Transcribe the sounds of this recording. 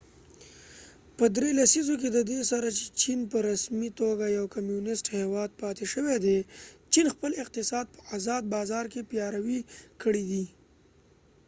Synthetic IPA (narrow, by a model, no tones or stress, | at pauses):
pəd̪ɾelasizok̬ed̪əd̪esaɾat͡ʃe̥t͡ʃinpəɾasmit̪oɡajawkamjunɪsʈhewɑd̪̚pɑt̪eʃəwed̪et͡ʃinxpəlɪq̚t̪ɪsɑd̪̚pəazɑd̪̚bɑzɑɾkepjɑɾawikəɽid̪i